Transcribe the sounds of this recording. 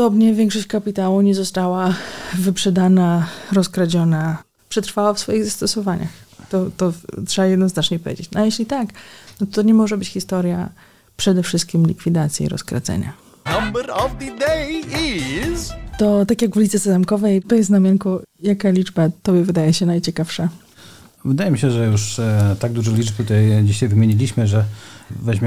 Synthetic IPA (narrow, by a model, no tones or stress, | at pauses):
pɔd̪ɔbɲɛvʲjɛŋkʂɔɕt͡ɕkapʲit̪awuɲɛzɔst̪awavɘpʂɛd̪anaɾɔskɾad͡ʑɔna | pʂɛt̪ɾfawafsfɔjiɣzast̪ɔsɔvaɲa̰xt̪ɔt̪ɔtʂɛbajɛd̪nɔznat͡ʂɲɛpɔvʲḛd͡ʑḛt͡ɕnajeɕlʲit̪aknɔt̪ɔt̪ɔɲɛmɔʐɛbɘt͡ɕxʲist̪ɔɾja̰ | pʂɛd̪ɛfʂɘst̪̚kʲimlʲḭkfʲid̪at̪sʲjḭɾɔ̰skɾa̰d̪zɛ̰ɲa̰ | nãmbəɾɔvd̪əd̪ejizt̪ɔt̪akʲjaɡvlʲit̪sɛsɛzamkɔvɛjt̪ɔjɛst̪namʲjɛŋkujakalʲid͡ʐbat̪ɔbʲjɛvɘd̪ajɛɕɛnajt͡ɕɛkafʂa | vɘd̪ajɛmʲiɕɛʐɛjuʂt̪aɡ̚d̪uʐɛlʲit͡ʂb̚t̪ut̪ajd͡ʑiɕajvɘmʲeɲilʲiɕmɘʐɛvɛʑmʲɛ